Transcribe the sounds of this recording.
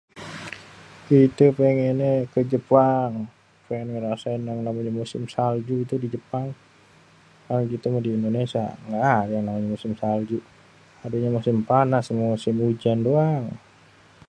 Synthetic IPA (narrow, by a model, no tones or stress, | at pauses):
kit̪upeŋenekəd͡ʒəpaŋ | pɛnməɾasaɪnaŋnamaɲamusɪmsald͡ʒuit̪udid͡ʒəpaŋ | kanakit̪əmodiːndonesia̰ŋɡadjaŋnamaɲamusɪmsald͡ʒu | adeɲamusɪmpanasmumusɪmud͡ʒandoaŋ